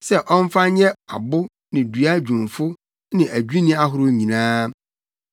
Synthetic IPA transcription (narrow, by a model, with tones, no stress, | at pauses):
sɛ˦ʔɔ̃˦m˦fa˦ɲɛ˦a˨bʊ˦ | nɪ̃˨dɥa˦d͡ʑᶣũ˨m˨fʊ˦ | nɪ̃˨ʔæ˨d͡ʑᶣu˦nĩ˦a˦ɦʊ˨˦ɾʊ˦ɲĩ˨nãː˦